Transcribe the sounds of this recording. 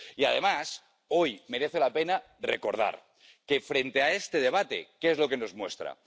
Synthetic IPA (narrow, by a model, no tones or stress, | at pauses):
ia̰ð̞e̞mas | o̞jme̞ɾe̞θe̞lape̞na | rḛko̞ɾð̞a̰ɾ | ke̞fɾe̞nt̪e̞ae̞st̪eð̞e̞β̞at̪e̞̰keezlo̞ke̞no̞zmwe̞st̪ɾa̰